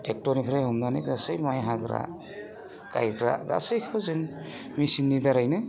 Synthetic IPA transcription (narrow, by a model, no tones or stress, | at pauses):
tek̚tɔnipʰɾajɦɯmnaniɡasɯjmajɦaɡɾa̰ | ka̰jɡɾa̰ɡa̰sɯjkʰɯbazɯŋ | misinːidaɾajnɯ